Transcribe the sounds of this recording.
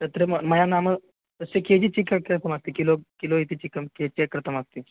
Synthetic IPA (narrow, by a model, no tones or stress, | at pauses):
t̪ət̪ɾeməməjanamə | t̪əseked͡ʑiːt͡ɕikekɾət̪ʰəmast̪ikilokiloit̪it͡ɕikəmket͡ɕekːɾət̪ʰəmast̪i